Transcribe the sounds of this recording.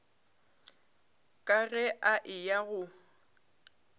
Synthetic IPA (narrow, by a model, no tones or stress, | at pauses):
kʼaɣɛʔaʔɪjaɣʊ